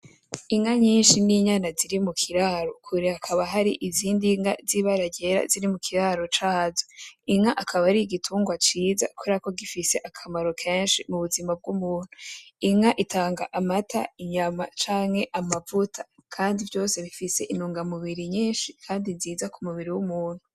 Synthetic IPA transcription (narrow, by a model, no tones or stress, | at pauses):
iŋaɲiːnʃiniɲanaziɾimukʰiɾaɾokʰuɾiakʰaβaɦaɾḭʔiziːndiŋa̰ziβaɾaɟe̞ɾa̰ziɾimukʰiɾaɾo̞t͡ʃaːzoiŋaʔakʰaβaɾiɡitʰuːŋɡwat͡ʃiːza̰kuɾako̞ɡifise̞ʔakʰamaɾo̞kʰeːnʃimuβuzimab̚ɡumuːn̥uiŋaʔitʰaːŋɡaʔamatʰa̰iɲama̰t͡ʃaːŋhe̞ʔamavutʰḁkʰaːndivjo̞ːse̞βifise̞ʔinuːŋɡamuβiɾiɲiːnʃikʰaːndiziːzakumuβiɾiwumuːn̥hu